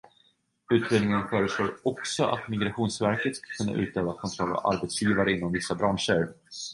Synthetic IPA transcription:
ʉ̟ːt̪ɾeːd̪nɪŋənfœːɾəsloːɾɔksɔʔa̰t̪mɪɡɾaɧuːnsvæɾkət̪skḁkʰɵnːa̰ʔʉ̟ːt̪øːvakʰɔnt̪ʰɾɔlːa̰va̰ɾbɛt̪sjiːvaɾəɪnːɔmvɪsːabɾanʂəɾ

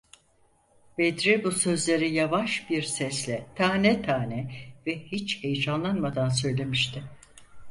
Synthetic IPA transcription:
bed̪ɾɛbusø̞zlʲe̞ɾijavaʃbiɾsɛslʲɛt̪ʰaːnɛt̪ʰaːnɛvɛhit͡ʃhejd͡ʒanlˠanmad̪ansø̞jlʲe̞miʃt̪ʰɪ

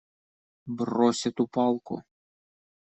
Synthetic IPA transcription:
brɔsʲɐt̪upɑlˠkʊ̰

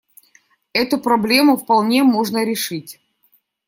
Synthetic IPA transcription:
ɛt̪ʊpɾɐblʲe̞mʊfpɐlˠnʲemoʐnəɾʲɪʂɨtʲ

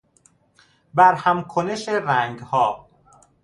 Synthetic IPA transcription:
bæɾhæmkʰoneʃeɾæŋɡhɒː

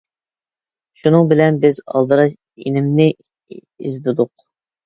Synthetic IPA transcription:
ʃunɨŋbɪlɛnbɪzɑ̰lˠd̪ɨɾɑʃ | ḭnɪmnɪ | izd̪ɪd̪ʊq

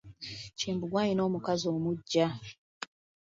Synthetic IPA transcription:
ciːmbuɡwaːɲino̞ːmukazoːmuɟːa

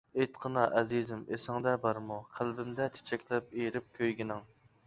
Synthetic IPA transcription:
ejt̪qʰənɑʔɛzizɪmesɪŋd̪ɛbɑɾmuqʰælbɪmd̪ɛt̪ʰe̥t͡ʃʰɛkʲlɛp̚eɾɪp̚kʲʰøjɡʲinɪŋ

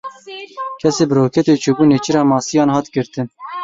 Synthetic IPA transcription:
kʰɛseːbɨɾoːkʰɛt̪eːt͡ʃʰubuːneːt͡ʃiɾɑːmɑːsijɑːnhɑːt̪ɡɨɾt̪ɨn

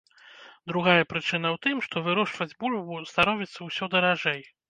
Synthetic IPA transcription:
d̪ɾuɣajɐpɾɨt͡ʂɨnɐwt̪ɨmʂt̪ɔvɨɾɔʂvɐd͡zʲbulʲbust̪aɾɔvʲit̪sːɐwsʲɔd̪ɐɾaʐɛj

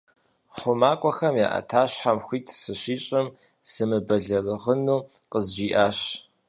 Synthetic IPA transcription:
χʷʊmaːkʷʼɔxɐmja̰ːʔɐ̰tʰaːɕħamxʷiːtʰsɨɕiːɕʼɪm | z̥ɨmɨbɐɮɐrɨʁənuːqəzd͡ʒiːʔaːɕ

